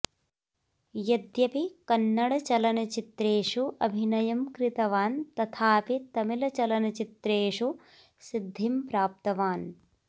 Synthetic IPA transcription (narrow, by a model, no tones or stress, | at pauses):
jɐd̪jɐpikɐnːɐɽɐt͡ʃɐlɐnɐt͡ʃit̪ɾeːʂuʔɐ̰bʱinɐjɐmkɾit̪ɐʋaːnt̪ɐt̪ʰaːpit̪ɐmilɐt͡ʃɐlɐnɐt͡ʃit̪ɾeːʂu | sid̪ʱːimpɾaːp̚t̪ɐʋaːn